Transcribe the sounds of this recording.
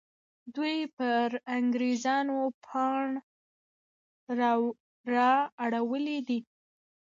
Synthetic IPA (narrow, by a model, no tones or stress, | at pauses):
d̪wujpəɾaŋɡɾezɑnopʰɑɳ | ɾɑaɽawəlid̪i